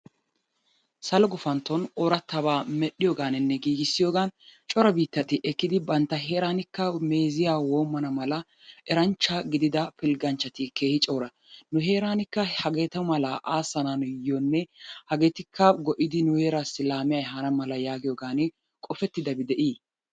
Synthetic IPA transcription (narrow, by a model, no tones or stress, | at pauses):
sɐlɔɡɔfɐnt̪ːɔnɔɾɐt̪ːɐbaːmɛɗːɪjoːɡaːnɪnːɛɡiːɡɪsːɪjoːɡaːnt͡ʃʼɔɾɐbiːt̪ːɐt̪ɪʔɛkːɪd̪ɪbɐnt̪ːɐɦe̞ːɾaːnɪkːɐme̞ːzɪjaːwoːmːɐnɐmɐlɐ | ʔɛɾɐnt͡ʃːɐɡɪd̪ɪd̪ɐpɪlɡɐnt͡ʃːɐt̪ɪke̞ːhɪt͡ʃʼoːɾɐ | nʊɦe̞ːɾaːnɪkːɐhɐɡe̞ːt̪ɐmɐlaʔaːsːɐnanjɔnːɛhɐɡeːt̪ɪkʰːɐɡɔʔɪd̪ɪnʊheːɾasːɪlaːmɪjajɦɐnɐmɐlɐjaːɡɪjoːɡaːnɪ | kʼɔfɛt̪ːɪd̪ɐbɪd̪ɛʔiː